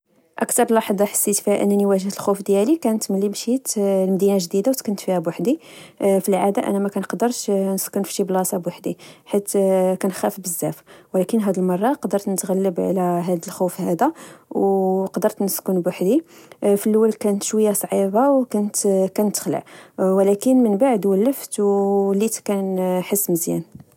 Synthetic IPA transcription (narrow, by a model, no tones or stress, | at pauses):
ʔə̰kt̪ɑɾˤlɑħd̪ˤɑħḁsːit̪fihæʔə̰nːniwæʒəht̪əlxufd̪jælikænət̪məlːimʃit̪lmd̪inaʒd̪id̪awt̪kʊnt̪fihæbwaħd̪ifilʕad̪aʔæ̰næmækænqd̪əɾˤʃnəskʊnfi̥ʃiblɑsˤɑbwaħd̪iħit̪kænxæfbəzːæfwlækənɦæd̪əlmɑrˤːɑqd̪əɾt̪nət̪ɣælːəbʕ̰læɦæd̪əlxufhæd̪æwqd̪əɾˤt̪nəskʊnbwaħd̪ifilːwːælkænət̪ʃwəjːasˤʕibawkʊnt̪kænt̪ə̥xlə̰ʕwlækənmənbaʕd̪wælːəft̪wlit̪kænħəsːməzjæ̰n